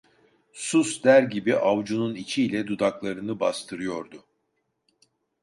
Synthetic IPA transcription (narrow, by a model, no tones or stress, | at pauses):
susd̪æɾɟibiʔavd͡ʒununit͡ʃʰiːlʲɛd̪ud̪aklˠaɾɯnɯbast̪ʰɯɾɯjo̞ɾd̪ʊ